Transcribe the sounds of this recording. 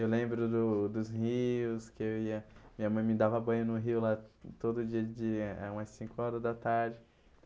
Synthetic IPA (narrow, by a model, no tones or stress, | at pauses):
ewlẽmbɾʊd̪ʊd̪ʊzhiʊskɪewiɐmĩɐmɐ̃j̃mɪ̃d̪avɐabɐ̃j̃ʊnʊɦiwlat̪od̪ʊːd͡ʒiɐd͡ʒɪa̰ũmɐsĩkʊɔɾɐzd̪ɐt̪aɾd͡ʒɪ | t̪